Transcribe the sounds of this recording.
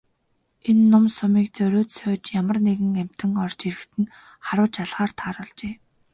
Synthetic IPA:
enːʊmsʊmiːk̚t͡sœɾʲʊːt̪sœːt͡ɕjamə̆rneɣɘ̆ŋæm̥ʲt̪ɘ̆ŋɔrt͡ɕiɾɘ̆xt̪ʰɘ̆n | χaɾwə̆t͡ɕaɮʁ̥aːr̥t̪ʰaːɾɔɮt͡ɕeː

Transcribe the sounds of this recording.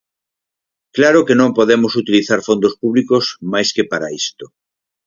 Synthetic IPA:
klaɾokenõmpoðemosut̪iliθaɾfond̪ospuβlikosmajskepaɾaist̪o

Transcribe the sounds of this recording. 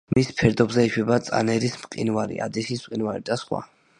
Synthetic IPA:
mispʰɛɾd̪ɔbzɛiʃwɛbat̪sʼa̰nɛɾismqʼḭnvaɾḭa̰d̪isismqʼinvaɾid̪asχwa̰

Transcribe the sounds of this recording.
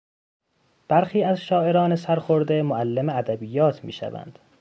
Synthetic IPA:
b̥æɾxiːæzʃɒːʔe̞ɾɒːnesæɾxoɾd̪emoælːemeæd̪æbiːjɒːt̪ʰmḭːʃæ̰væ̰nd̪̥

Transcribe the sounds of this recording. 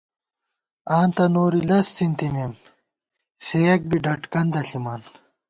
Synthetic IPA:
aːnt̪ɐnoːɾilɐst͡sint̪imem | sejɐk̚biɖɐʈkɐnd̪ɐɬimaːn

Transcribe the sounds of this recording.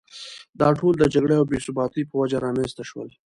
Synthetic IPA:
d̪ɑʈold̪əd͡ʒaɡɽeawbesubɑt̪ipəwad͡ʒaɾɑmenzt̪aʃwə̰l

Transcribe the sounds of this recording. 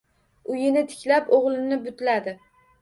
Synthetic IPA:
ʊjɪnɪt̪ʰɪ̥kʲlapoʁlˠɪnɪbʊt̪lad̪ɪ

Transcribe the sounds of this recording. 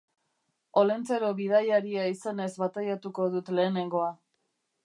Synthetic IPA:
o̞le̞nt͡seɾo̞βið̞ajaɾiaisane̞zβat̪ajat̪uko̞ð̞ut̪le̞ːne̞ŋɡo̞a

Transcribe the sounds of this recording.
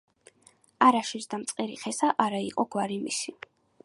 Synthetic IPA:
aɾaʃisd̪amt̪sʼqʼiɾḭχɛsaʔaɾaiqʼɔɡwaɾimisi

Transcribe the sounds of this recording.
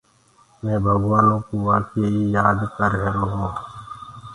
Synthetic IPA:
mɛ̃ːbʱəɡʋaːnõːkuʋaːkeːiːjaːd̪kəɾɦeːɾoːɦõː

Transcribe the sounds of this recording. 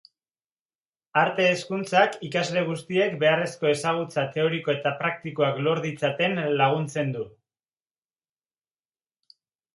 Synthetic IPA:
aɾt̪e̞ːskunt͡sakikazle̞ɣ̞ust̪ie̞kbe̞are̞sko̞e̞saɣ̞ut͡sat̪e̞o̞ɾiko̞e̞t̪apɾak̚t̪ikoaklo̞ɾðit͡sat̪e̞nlaɣ̞unt͡se̞nd̪u

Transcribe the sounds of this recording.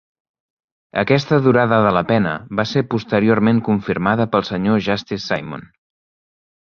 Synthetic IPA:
ə̰kɛst̪əðuɾaðəðələpɛnə̰βaseɾpust̪əɾiormeŋkuɱfiɾmaðəpəlˠsəɲoʒast̪isːa̰jmo̰n

